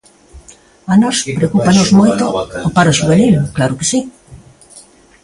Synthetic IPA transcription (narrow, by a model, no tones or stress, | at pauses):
anɔspɾeokupanozmojt̪oopaɾoʃuβ̞enilklaɾʊke̥si